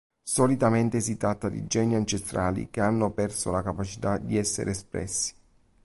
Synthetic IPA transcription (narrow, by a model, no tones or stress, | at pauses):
sɔlit̪ament̪esit̪ɾat̪ːad̪ḭd͡ʒɛniant͡ʃest̪ɾʔaːlḭk̟eanːopɛrsolakapat͡ʃit̪ad̪iɛsːḛɾʔeːspɾɛ̰sːi̥